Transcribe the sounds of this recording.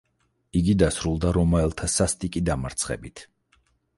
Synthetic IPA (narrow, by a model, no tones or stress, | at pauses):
iɡid̪asɾulˠd̪aɾɔmaɛlˠt̪ʰasast̪ʼikʼid̪amaɾt̪sʰχɛ̰bit̪ʰ